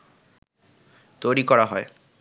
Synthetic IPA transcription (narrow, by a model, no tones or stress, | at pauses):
t̪ojɾikɔɾaɦɔe